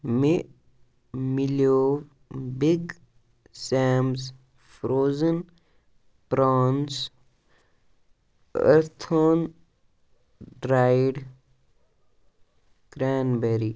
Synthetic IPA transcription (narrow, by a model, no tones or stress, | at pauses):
me | miljoːʋ | biɡ | sɛːmz | fɾoːzən | pɾaːns | ə̰ɾt̪ʰoːn | ɖɾaːiɖ | ɡ̥ɾaːnbeɾi